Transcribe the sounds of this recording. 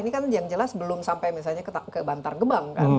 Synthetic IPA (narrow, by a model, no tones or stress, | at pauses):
inikanjaŋd͡ʒəlasbəlʊmsampajmisalɲakəbant̪arɡəbaŋka̰